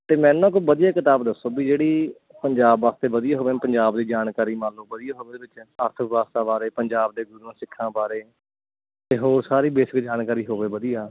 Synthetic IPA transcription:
t̪eːmɛ̃ːnũãːk̬obəd̪ijaːkɪt̪aːbd̪əsːoːbiːd͡ʒeːɽiː | pəɲd͡ʒaːbʋaːst̪eːbəd̪ijaːɦoːʋeːpəɲd͡ʒaːbd̪iːd͡ʒaːnkaːɾiːmãːnloːbəd̪ijaːɦoːʋeːbɪt͡ʃəɾt̪ʰəʋaːst̪aːbaːɾeːpəɲd͡ʒaːbd̪eːɡʊɾuãːsɪkʰːãːbaːɾeː | t̪eːɦoːɾsaːɾiːbeːsɪkd͡ʒaːnkaːɾiːɦoːʋeːbəd̪ijaː

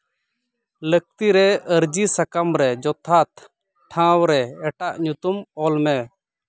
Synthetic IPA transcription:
lək̚t̪iɾɛəɾd͡ʒisakamɾɛd͡ʒɔt̪ʰat̪ | ʈʰãwɾɛɛʈaʔɲut̪umɔlmɛ

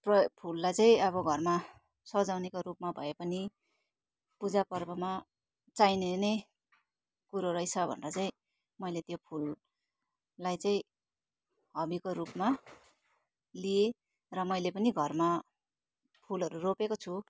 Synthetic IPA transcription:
prʌpʰulːajt͡saĩʌbʌɡʱʌrma | sʌd͡zawnekoɾupmabʱʌepʌni | pud͡zapʌrbʌma | t͡sajnenʌj | kuɾoɾʌit͡sʰʌbʱʌ̰nrʌt͡saĩ | mʌjlet̪jopʰul | ajt͡saĩ | ɦʌbikoɾupma | lie | rʌmʌjlepʌniɡʱʌrma | pʰulɦʌɾuropekot͡sʰu

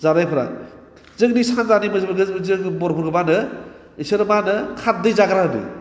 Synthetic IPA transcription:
zaɾajpʰɯɾa̰ | zɯknisanzanimɯsbɡɯzɯkbɔɾpʰɯɾɡɯbanɯ | isɯɾɯmanɯkʰat̚dɯjzaɡɾaɯnɯ̰

